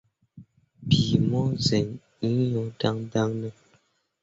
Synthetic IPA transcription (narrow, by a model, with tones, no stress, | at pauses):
pi˨mɔ˦zɛ˨ŋ | i˦ɲo˦da˦ŋ˦da˦ŋnə˦